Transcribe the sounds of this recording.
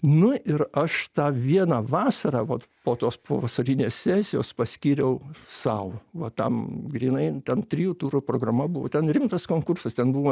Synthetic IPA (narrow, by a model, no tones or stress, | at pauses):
nʊɪɾɐʃt̪ɑːʋʲiɛnɑːʋɑːsɐɾɑːʋɐtpoːt̪oːspo̰ːʋɐsɐɾʲɪnʲeːssʲæːsʲɪjoːspɐsʲkʲiːɾʲɛʊsɐʊʋɐt̪ɐmɡrʲiːnɐɪt̪ʲɛnt̪ʲɾʲijuːt̪uːɾupɾoːɡrɐmɐbʊʋo̰t̪ʲɛnɾʲɪmt̪ɐskoːŋkʊrsɐst̪ʲɛnbuʋoː